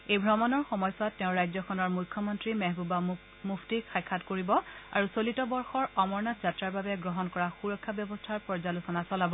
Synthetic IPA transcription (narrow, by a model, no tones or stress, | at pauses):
ejbʱɹɔmɔnɔɹxɔmɔjsatːɛʊ̃ɹajzɔkʰɔnɔɹmujkʰːɔmɔntɹimɛɦbuba | muftixʰajkʰːatkoɹibɔa̰ɹusolitɔbɔɹxɔɹɔmɔɹnatzatɹaɹbabɛɡɹɔɦɔnkɔɹaxuɹɔkʰːabjɔbɔstʰaɹpɔɹzalusɔnasɔlabɔ